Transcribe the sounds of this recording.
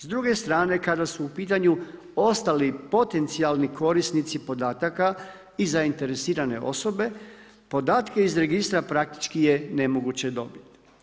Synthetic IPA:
zd̪ɾuɡe̞st̪ɾaːne̞kad̪asuːpiːt̪̬aɲu | o̞st̪alipo̞t̪e̞nt̪sialˠniko̞ɾisnit̪sipo̞d̪aːt̪aka | izaint̪e̞ɾe̞siːɾane̞̰ʔo̞̰so̞be̞ | po̞d̪aːt̪keizɾe̞ɡist̪ɾapɾak̚t̪i̥t͡ʃkije̞ne̞mo̞ɡut͡ɕe̞d̪o̞bit̪i̥

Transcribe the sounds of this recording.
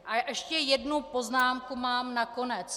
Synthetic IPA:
ʔaʔɛʃcɛjɛdnuppo̞znaːmkumaːmnako̞nɛt͡s

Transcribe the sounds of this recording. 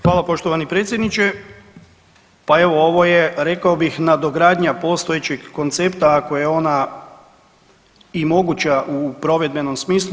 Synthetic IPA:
xʋaːlˠapo̞ʃt̪oʋanipɾet̪sʲjed̪nit͡ʃe | pae̞ʋo̞oʋo̞jeɾe̞kaobixnad̪o̞ɡɾaːd̪ɲapo̞st̪o̞jet͡ɕeɡːo̞nt̪sept̪akojeo̞na | imo̞ɡut͡ɕaʔupɾo̞ʋed̪̚be̞no̞msmiːslu

